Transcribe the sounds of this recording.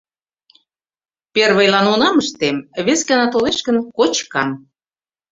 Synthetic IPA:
perβəjlɑnonɑməʃt̪emβeskɑnɑt̪oleʃkə̆nkot͡ɕkɑm

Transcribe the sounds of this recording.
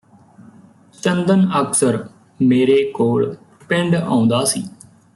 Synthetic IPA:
t͡ʃənd̪ənəksəɾ | meːɾeːkoːɭ | pɪɳɖã̰ːʊ̃nd̪aːsiː

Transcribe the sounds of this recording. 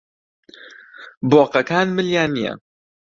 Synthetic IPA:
boːqɐkaːnmɨljaːnijɐ̰

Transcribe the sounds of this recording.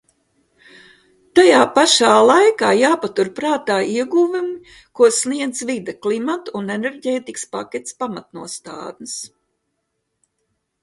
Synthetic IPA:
t̪ajaːpaʃaːlˠajkaːjaːpat̪uɾpɾaːt̪aːiɛɡuvumi | kuɔsniɛd̪zvid̪aklˠimat̪unɛnɛɾɟeːt̪ikspa̰kʲɛt̪ʲspamat̪nuɔst̪a̰ːd̪ns

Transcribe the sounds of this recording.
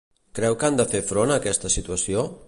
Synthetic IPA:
kɾɛwkand̪əfefɾonəːkɛst̪əsit̪uəsio

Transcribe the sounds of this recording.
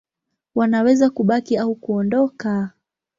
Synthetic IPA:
wanawɛzakuɓakiaukuɔndɔka

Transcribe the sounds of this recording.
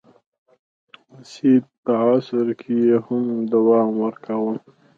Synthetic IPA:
wasid̪̚pəɑsɪɾkʰejehʊmd̪awɑmwəɾkʰawəl

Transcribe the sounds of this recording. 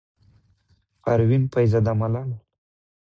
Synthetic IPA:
aɾwinpajzad̪amalɑna

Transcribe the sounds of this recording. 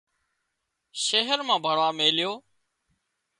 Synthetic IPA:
ʃeːɦəɾmãːbʱəɽaːmeːljoː

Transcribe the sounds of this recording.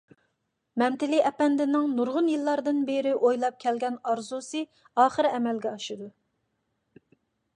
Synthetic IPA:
mɛmt̪ɪliʔɛpɛnd̪ɪnɪŋnuɾʁʊnjilˠːɑɾd̪ɨnbeɾɪʔojlˠɑp̚kʲʰɛlɡʲɛnɑɾzusɨ | ɑːχəɾɛmɛlɡʲɛɑʃɨd̪u

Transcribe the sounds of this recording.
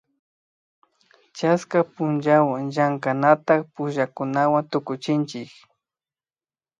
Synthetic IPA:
t͡ʃaskapʊnd͡ʒawaŋʒaŋkanat̪akpʊʒakʊnawant̪ʊkʊt͡ʃɪnt͡ʃɪk

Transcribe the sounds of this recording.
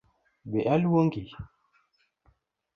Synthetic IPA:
beʔalwoŋɡi

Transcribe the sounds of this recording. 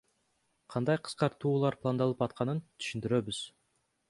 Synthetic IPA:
qʰɑnd̪ɑjqʰɯ̥sqɑɾt̪uːlˠɑɾplˠand̪ɑlˠɯpɑt̪̚qʰɑnɯnt̪ʰi̥ʃind̪iɾø̞byz̥

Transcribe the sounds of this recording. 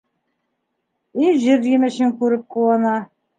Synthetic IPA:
iʑɘɾjɘmɘ̆ɕɘŋkʉɾɘp̚quwɑnɑ

